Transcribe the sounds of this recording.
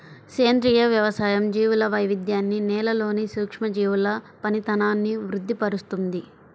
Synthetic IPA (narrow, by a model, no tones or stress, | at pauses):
seːnd̪ɾijɐʋjɐʋɐsaːjɐmd͡ʒiːʋulɐʋɐjʋid̪jaːnːinɛːlɐlo̞ːnisuːkʂmɐd͡ʒiːwulɐ | pɐnit̪ɐnaːnːiʋɾud̪ʱːipɐɾust̪und̪i